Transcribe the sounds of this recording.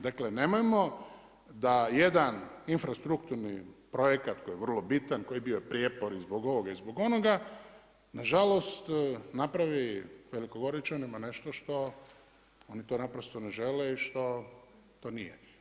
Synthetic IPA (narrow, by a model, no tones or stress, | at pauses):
d̪akle̞ne̞mojmo | d̪aje̞d̪aninfɾast̪ɾukt̪uɾnipɾo̞jekat̪ko̞jeʋr̩lˠobit̪anko̞jibiojepɾijepoɾizboɡo̞ʋoɡaizbo̞ɡo̞no̞ɡa | naʒalo̞st̪napɾaʋiʋe̞likoɡo̞ɾit͡ʃonimane̞ʃt̪o̞ʃt̪o̞ | onit̪o̞ːnapɾost̪oneʒe̞leiʃt̪o̞ | t̪oːnije